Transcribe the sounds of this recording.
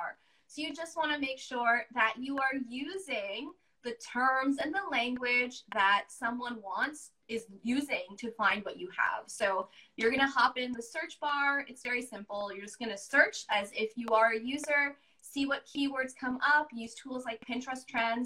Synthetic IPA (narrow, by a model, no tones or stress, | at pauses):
ɹ | soʊjɨd͡ʒʌst̚wɑ̃ñɨmeɪkʃʊɹðɨt͡ʃɨə˞jʉzɪ̃ŋ | ðɨtʰɜ̃˞mzɨ̃nðəlæ̃ŋɡwɪd͡ʒðətsʌ̃mwʌ̃nwɑ̃nts | ɪzjʉzɪ̃ŋtʰɨfãɪ̃nd̚wʌt͡ʃɨə̰v̥soʊjə˞ɡʌñɨhɑpɪ̃nðɨsɜ˞t͡ʃb̥ɑɹɨtsv̥ɛɹisɪ̃mpl̩ˠjə˞d͡ʒʌsɡ̥ʌnɨsɜ˞t͡ʃɨzɪfjɨə˞ɨjʉzə˞ | siwʌt̚kʰiwɜ˞dz̥kʰʌ̃mʌpjʉz̥tʰulˠzlaɪk̚pʰɪ̃nt͡ʃɹ̥ɨstʰɹ̥ɛ̃n